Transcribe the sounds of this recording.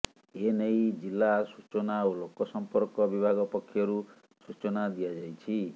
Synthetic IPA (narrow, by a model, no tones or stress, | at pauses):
enejd͡ʒilːasut͡ʃɔnaolokɔsɔmpɔɾkɔbibʱaɡɔpɔkʰːjɔɾu | sut͡ʃɔnad̪ijad͡ʒajt͡ʃʰi